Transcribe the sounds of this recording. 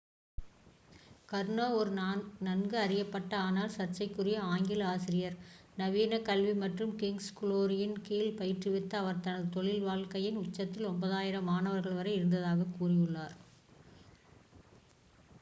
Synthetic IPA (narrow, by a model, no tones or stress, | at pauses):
kɐɾɳoːɔɾɯnɐnɡɯɐrɪjɐpːɐʈːɐaːnaːlsɐrt͡ʃːɐɪkːɯrɪjɐaːŋɡɪlaːsɪɾɪjɐɾ | nɐʋiːnɐkɐlʋimɐʈrɯmkɪŋɡskʊloːɾɪjɪnkiːlpɐjɪʈrɯʋɪt̪ːɐːʋɐɾt̪ɐnɐðɯt̪ɔɭɪlʋaːɭkɐjɪnʊt͡ʃːɐt̪ːɪlɔmbɐðaːjɪɾɐmaːnɐʋɐɾɣɐɭʋɐɾɐɪɪɾɯnd̪ɐðaːɣɐkuːrɪjɯɭːaːɾ